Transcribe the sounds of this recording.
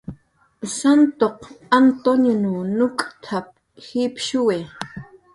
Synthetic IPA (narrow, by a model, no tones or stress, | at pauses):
sant̪oqant̪onjonunʊkʼt̪ʰap̚ | xipʃuwe